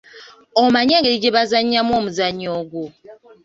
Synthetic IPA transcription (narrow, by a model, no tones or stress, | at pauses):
ɔmaɲaɡeid͡ʒebazaɲamɔmuzaɲɔɡo